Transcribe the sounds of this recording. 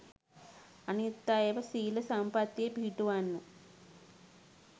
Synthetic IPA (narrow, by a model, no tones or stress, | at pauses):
ɐnjut̪ːaːjeːʋɐsiːlɐsaːmpaːt̪ːjebʱiːʈuʋaːnːu